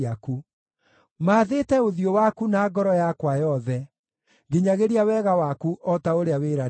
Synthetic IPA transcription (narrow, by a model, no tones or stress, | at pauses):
aku | maːðetɛoðiowakunaːɡɔɾɔjakwajɔðɛ | ɡeɲaɣeɾiawɛɣawakuʔɔtaoɾeaweɾa